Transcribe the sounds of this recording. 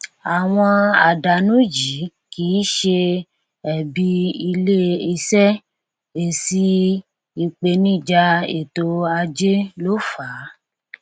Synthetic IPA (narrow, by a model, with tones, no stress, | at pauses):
a˨w̃ɔ̃˧a˨da˨nũ˦d͡ʒi˨˦ | kiː˨˦ʃe˧ | ɛ˨bi˧i˧le˦i˧sɛ˦ | e˨si˧ | i˧k͡pe˧nĩ˦˨d͡ʒa˧ḛ˨to˧a˧d͡ʒe˦lo˦fa˨˦